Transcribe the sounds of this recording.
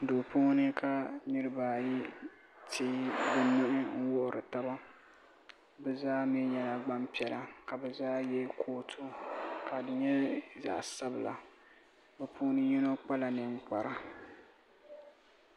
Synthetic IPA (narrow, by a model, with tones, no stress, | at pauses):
do˨poː˦nɨ˦kʰa˨nɨ˦ɾɨ˦ba˨ji˦ | tʰiː˦bɨ˨nʊ˦ʔɪ˦ŋ̩˦wʊ˦ʔʊ˨ɾɨ˨ta˦ba˦ | bɛ˦zaː˦mi˦ɲɛ˨la˨ɡ͡ba˦mpi˨ɛ˨la˨ka˨bɛ˨zaː˦jɛ˦kʰoː˦tʰo˦ka˨dɨ˨ɲɛ˦za̰ː˨sa˦bɨ˨la̰˨ | bɛ˨pʰoː˦nɨ˦ɲi˦no˦k͡pa˦la˨nɨ˨ŋ͡m̩˦k͡pa˨ɾa˨